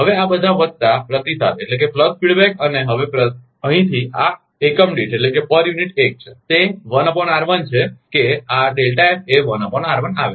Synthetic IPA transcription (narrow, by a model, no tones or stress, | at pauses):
ɦəʋeabəd̪ʱaʋək̚t̪apɾət̪isʰa̰t̪eʈlek̬epləd̪̚fiɽbekəneɦəʋepɾə | əɦĩt̪ʰia | ekəmɖiʈeʈlekepəɾjuniʈek̚t͡ʃʰet̪eʋənəpəɳaɾʋənt͡ʃʰekeaɖelʈaipeʋənəpəɳaɾʋənaʋe